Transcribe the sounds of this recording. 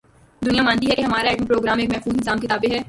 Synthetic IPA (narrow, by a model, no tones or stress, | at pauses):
d̪ʊnijamaːnt̪iɦɛkeɦɐmaːɾaɛːʈmĩpɾoːɡɾaːmeːkmɛɦxuːznzaːmkɪt̪aːbeɦɛː